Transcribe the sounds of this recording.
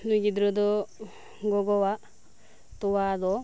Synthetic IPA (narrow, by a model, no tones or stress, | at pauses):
nuɡid̪ɾɔd̪ɔ | ɡɔɡɔwa | t̪ɔwad̪ɔ